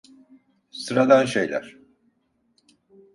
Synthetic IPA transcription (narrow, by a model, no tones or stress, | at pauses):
sɯɾad̪anʃejlʲæ̰ɾ̥